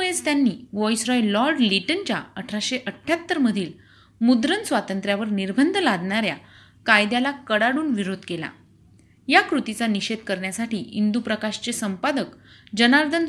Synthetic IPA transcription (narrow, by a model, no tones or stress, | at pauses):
ɭest̪janːiːʋɔjsɾɔjllɔɾɖliʈənt͡ɕja̰əʈʰɾaɕeʔəʈʰːjat̪ːəɾməd̪ʱiːl | mud̪ɾənsʋat̪ənt̪ɾjaʋəɾniɾbʱənd̪ʱəlad̪ɳaɾja̰ | kajd̪jalakəɽaɽuːnʋiɾod̪ʱkela̰ | jakɾut̪it͡saniɕed̪̚kəɾɳjasaʈiːind̪upɾəkaɕt͡sesəmpad̪əkd͡ʑənaɾd̪ʱən